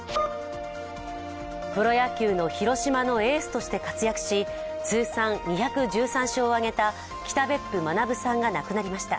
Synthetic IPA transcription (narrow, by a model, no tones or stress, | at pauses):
pɯɾo̞jakʲɨːno̞çiɾo̞ɕimano̞e̞ːsɨ̥t̪o̞ɕi̥t̪e̞kat͡sɨjakɯ̟̥ɕi | t͡sɨːsãŋɲʲiçakɯ̟d͡ʑɨːsãɕoːaɡe̞t̪a | kʲi̥t̪abe̞pːɯ̟manabɯ̟sãŋɡanakɯ̟naɾʲimaɕi̥t̪a̰